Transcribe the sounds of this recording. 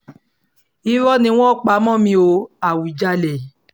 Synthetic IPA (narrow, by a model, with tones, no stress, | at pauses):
i˦ɾɔ˦nĩ˧w̃ɔ̃˦˨k͡pa˨˦mɔ̃˦˨mĩ˧˦o˧a˨wu˨d͡ʒa˧le˨